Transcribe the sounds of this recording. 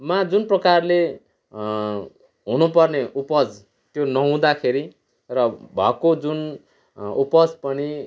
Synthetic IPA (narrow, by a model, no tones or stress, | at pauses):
mad͡zunprʌkarle | ɦunupʌrneʔupʌd͡z | t̪jonʌɦũd̪akʰeɾi | rʌbʱʌkod͡zun | upʌd͡zpʌni